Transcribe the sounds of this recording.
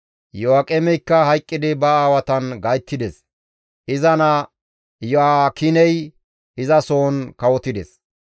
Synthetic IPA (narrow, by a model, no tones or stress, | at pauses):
jɔakʼɛmɛjkːɐhɐjkʼːɪd̪ɪbɐaːwɐt̪ɐnɡɐjt̪ːɪd̪ɛs | ʔɪzɐnɐ | jɔakɪnɛj | ɪzɐso̞ːnkɐwɔt̪ːɪd̪ɛ̰s